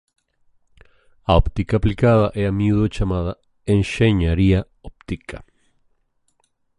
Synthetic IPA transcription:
aopt̪ikaplikaðaʔeamiuðot͡ʃamaða | enʃeɲaɾia | op̚t̪ikʰa

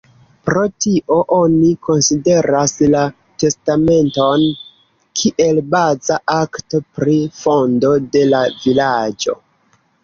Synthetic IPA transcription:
pɾo̞tiʔo̞ʔo̞niko̞nside̞ɾasla | te̞stame̞nto̞n | kʰiʔe̞lbazaʔaktopɾifo̞ndo̞de̞lavilad͡ʒo̞̰

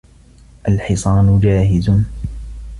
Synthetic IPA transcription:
ʔalħɪsˤɑːnʊd͡ʒaːɦɪz

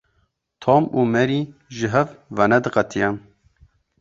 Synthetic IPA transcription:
t̪ʰomuːmɛɾiʒɨɦɛvvɛnɛd̪ɨqɛt̪ʰijɛn

